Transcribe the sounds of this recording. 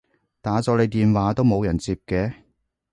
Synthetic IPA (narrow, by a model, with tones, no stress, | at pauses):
t̪aː˨˥t͡sɔː˧le˨˧jt̪iː˨nwaː˨˥t̪o˥wmo˨˧wjɐ˨˩nt͡siː˧p̚kɛː˧